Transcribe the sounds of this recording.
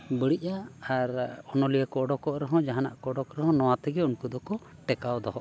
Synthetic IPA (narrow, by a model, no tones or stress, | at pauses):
bəɽic̚aːɾɔnɔlijəkɔːɖɔkɔʔɾɔɦɔ̃d͡ʒaɦana̰ʔkɔːɖɔkɾɛɦɔ̃nɔwat̪ɛɡɛunkud̪ɔkɔ | ʈɛkawd̪ɔɦɔʔ